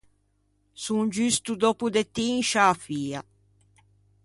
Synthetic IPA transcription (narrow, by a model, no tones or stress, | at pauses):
suŋd͡ʒyst̪ud̪ɔpud̪et̪ːiŋʃaːfiːa